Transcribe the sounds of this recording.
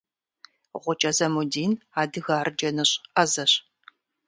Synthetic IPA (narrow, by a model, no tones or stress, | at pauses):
ʁʷʊt͡ʃʼɐzɐmudiːnaːdɨɣaːrd͡ʒɐnɨɕʼɐzɐɕ